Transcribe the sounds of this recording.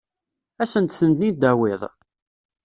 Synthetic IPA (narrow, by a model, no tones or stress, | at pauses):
æsənt̪θənd̪nid̪æwɪðˤ